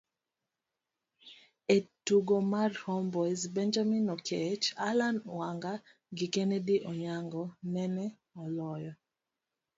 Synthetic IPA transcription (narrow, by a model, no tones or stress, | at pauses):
etuɡomarhɔmbɔjzbɛnd͡ʒaminɔkʰɛt͡ʃalanwaŋɡa | ɡikɛnɛdiʔɔɲaŋɡɔnɛnɛ | ɔlɔjɔ